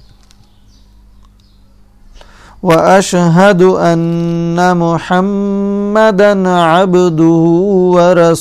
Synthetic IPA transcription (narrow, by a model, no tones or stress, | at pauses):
waʔaʃɦad̪ʔanːamʊħamːad̪anʕabd̪ʊhʊwaɾˤɑ